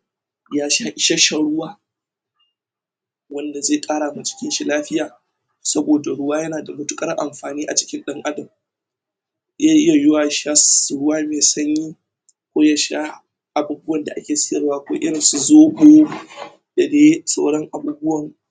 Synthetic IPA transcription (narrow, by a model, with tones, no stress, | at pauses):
jaː˦ʃaː˦ʔɪ˨ʃa˦ʃa˦ɽʊ˦waː˦ | wɐ˦nda˨zeː˦˨kʼaː˦ɽaː˨ma˨t͡ʃɪ̥˦kʲɪ˦nʃi˦laː˦ɸɪ˦jaː˨ | sɐ˦boː˨da˨ɽʊ˦waː˦jɐ˦naː˨da˨mʊ˦tʊ˦kʼɐ˦rʔa˨mɸaː˨niː˦ʔa˨t͡ʃɪ̥˦kʲɪ˦nɗɐ˦ŋʔa˦dɐ˨m | ja˦ʔɪ˦ja˨jʊ˦waː˨ʃa˦sɽʊ˦waː˦meː˨sɐ˦ɲjiː˦ | kʷoː˦ja˦ʃa˦ | ʔa˨bu˦bʊ˦wɐ˨nda˨ʔa˦kʲeː˨sɪ̥˦jɐ˨rwaː˦ʔa˨kʷa̰˦ʔɪ˦ɽɪ˨nsu˨zoː˦ɡoː˦ | d̥a˨deː˦sʼa̰˦wɽɔ˦ŋʔa˨buː˦bʊ˦wɐ˨ŋ